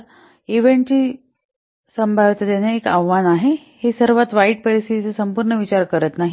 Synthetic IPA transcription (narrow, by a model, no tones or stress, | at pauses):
iʋeɳʈi | səmbʱaʋt̪əd̪aneekaʋːanaɦe | hesəɾʋat̪ʋaiʈ̚pəɾist̪ʰit̪it͡səsəmpuːɾɳəʋit͡ɕaɾkəɾət̪naɦi